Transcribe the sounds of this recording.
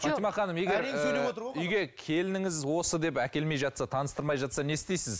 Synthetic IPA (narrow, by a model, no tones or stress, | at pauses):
fɑnt̪ijmɑχɑnəmjeɡʲeɾɵj̪eot̪əɾʏjɡʲe̞kʲʰe̞lɪnɪŋɪzwo̞səd̪e̞pækʲe̞lme̞jʒɑt̪sɑt̪ʰɑnəst̪əɾmɑjʒɑt̪sɑne̞st̪e̞jsɪz